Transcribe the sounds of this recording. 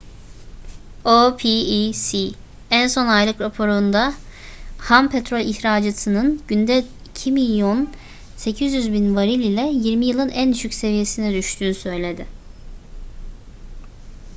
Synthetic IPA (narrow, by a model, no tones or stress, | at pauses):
opʰiisi | ænso̞najlˠɯkɾapʰo̞ɾund̪a | hampʰet̪ɾo̞lʲiçɾaːd͡ʒat̪ʰɯnɯnɟynd̪ɛ | icʰimilʲjo̞n | se̞cʰizjyzbinvaɾilʲilʲɛjiɾmijɯlˠɯnænd̪yʃycʲse̞vije̞sinɛd̪yʃt̪ʰyːnysø̞jlʲe̞d̪ɪ